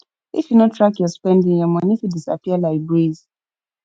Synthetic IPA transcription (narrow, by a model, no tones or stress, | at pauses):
ifjunɔtʰɹakjɔspɛ̃ndĩŋjɔmãnifjudisa̰piəlaɪk̚bɹiz